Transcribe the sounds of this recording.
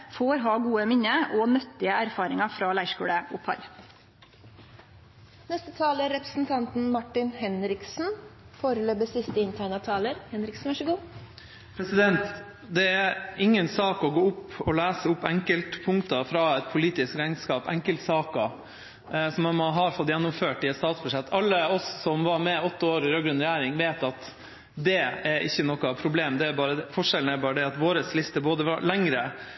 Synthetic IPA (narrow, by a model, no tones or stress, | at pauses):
foːɾɦɑːɡuːəmɪnːəʔɔnœt̪ːɪəæɾfɑːɾɪŋɑfɾɑːlæɪʂkṵːɽəʊphɑ̰l | nɛst̪ət̪ʰɑːləɾɛpɾə̥sn̩t̪ʰɑnt̪n̩mɑʈːɪnhɛnɾɪksn̩foːɾəløːbəsɪst̪əɪnt̪ʰæɪnɑt̪ʰɑːləɾhɛnɾɪksn̩ʋæʂəɡuː | pʰɾɛsɪd̪ɛnt̪ | d̪ɛæɾɪŋːənsɑːkɔɡoːʊpɔlæːsəʊpːɛŋkəlt̪pʰʊŋkt̪ɑfɾɑɛt̪̚pʰʊliːt̪ɪskɾæɪnskɑːpɛ̰ŋkəlt̪sɑːkɑ | sɔmɑnmɔɦɑɾfɔt̪ːjɛnːʊmføːʈɪɛt̪st̪ɑːt̪sb̥ʉʂɛt̪ʰːɑlːəɔsːɔmʋɑɾmɛɔt̪ːəoːɾɪɾøːɡɾʉnɾɛjæːɾɪŋʋeːt̪ɑt̪ | d̪ɛæɾʔɪ̰çːənɔkɑpʰɾʊbleːmd̪ɛæɾbɑːɾəd̪ɛfɔʂɛln̩æɾbɑːɾəd̪ɛɑt̪ʋoːɾəslɪst̪əboːd̪əʋɑ̰læŋɾə